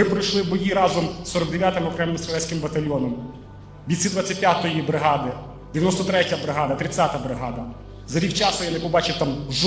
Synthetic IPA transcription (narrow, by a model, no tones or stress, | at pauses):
ɪmpɾɪjʃlˠɪwbɔjiɾɑzɔmsɔɾɔɡ̚d̪eʋʲjat̪ɪmɔkɾɛmɪmsɐlˠɛsʲkɪmbɐt̪ɐlʲɔnɔm | bʲisʲid̪ʋɑt͡sʲɐt̚ʲpʲjat̪ɔjibɾɪɦɑd̪ɪ | d̪̥ejɐnɔst̪ɔt̪ɾɛtʲɐbɾɪɦɑd̪ɐt̪ɾɪt͡sʲːat̪ɐbɾɪɦɑd̪ɐ | zɐɾʲikt͡ʃɑsʊjanɪpɔbɑt͡ʃɪt̪ɑmʒ